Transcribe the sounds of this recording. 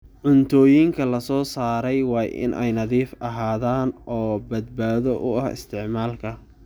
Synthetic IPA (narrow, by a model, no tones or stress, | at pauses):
ʕʊnt̪ʰɔːjiŋkʰɐlɐsɔːsaːɾɛjwɑːɪ̰nʔɛ̰jnɐðiːfɐɦaːðaːnʔɔːbɐd̪̚baːðɔʔʊɐhɪ̰st̪ʰɪʕmaːlkʰɐ